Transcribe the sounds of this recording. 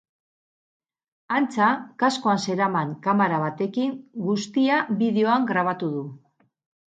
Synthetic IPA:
ant͡sakasko̞anse̞ɾamaŋkamaɾaβ̞at̪e̞kiŋɡust̪iaβiðe̞o̞aŋɡɾaβ̞at̪uðu

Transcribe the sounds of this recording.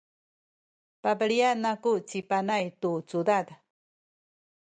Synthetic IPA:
pabaɺianakuʔt͡sipanajt̪ut͡sud̪ad̪a

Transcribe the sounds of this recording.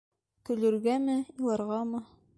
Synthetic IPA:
kɵ̆lɵ̆ɾɡæmɘilˠɑɾʁɑmɤ

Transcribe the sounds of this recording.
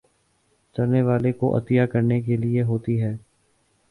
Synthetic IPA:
sɐɾneʋaːlekoʔɐ̰t̪ɪjaːkəɾnekelieɦoːt̪iɦɛː

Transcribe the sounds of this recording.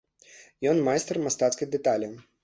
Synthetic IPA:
jɔnmajst̪ɛrmast̪at̪skɐjd̪ɛt̪alʲɐ

